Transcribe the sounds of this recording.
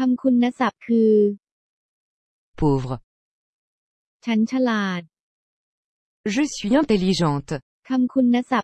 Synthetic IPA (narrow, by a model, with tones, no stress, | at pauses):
kʰa˧mkʰu˧nːa˦˥sa˨˩p̚kʰɯː˧ | pʰoːvʁ | t͡ɕʰa˦˥nt͡ɕʰa˧laː˨˩t̪̚ | ʒəsɥiɛ̃t̪elːiʒɑ̃t̪ | kʰa˧mkʰu˧nːa˦˥sa˨˩p̚